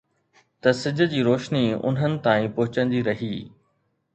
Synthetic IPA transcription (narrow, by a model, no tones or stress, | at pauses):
t̪ɐsɪd͡ʑʱə̆d͡ʑiːɾoːʃniʊ̰n̤ɦənɪ̆t̪aːĩpʊɦʊt͡ɕənd͡ʑiːɾɐɦiː